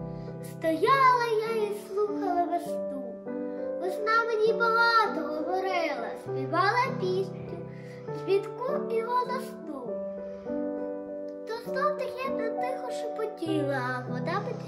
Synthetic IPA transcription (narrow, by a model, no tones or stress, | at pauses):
st̪ɔjɑlˠɐjaislˠuxɐlˠɐʋɐst̪u | ɔznɑmenʲibɐɦɑt̪ɔɦɔʋɔɾɪlˠɐsʲpʲiʋɑlˠɐpʲisʲtʲʊ | zʋʲit̪kupʲiʋɔlˠɐst̪u | t̪ɔzd̪ɔwt̪ɐkʲɛnɛt̪ɪxɔʃʊpɔtʲilˠɐɐbɔd̪ɑbɪt̪